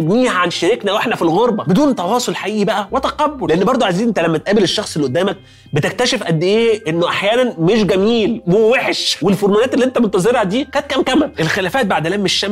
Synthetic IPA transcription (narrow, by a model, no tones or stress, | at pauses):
ebniːhæʕanʃeɾeknæweħnæfilɣoɾˤbɑbed̪uːnt̪ɑwɑːsˤolħaʔiːʔibæʔæwet̪æqɑbːoleʔenːbɑɾˤd̪ˤoʕajziːnʔent̪ælæmːæt̪ʔæːbeleʃːɑxsˤelːiʔod̪ːæːmæk̚ | bet̪ek̚t̪æʃefʔæd̪ːeʔeːʔenːoʔaħjæːnænmeʃɡæmiːlweweħʃwelfoɾmonæːt̪elːiʔent̪æbent̪ɑzˤeɾhæd̪iːkæːt̪̚kæmkæmæʔelxelæːfæːt̪̚baʕd̪læmːeʃːæ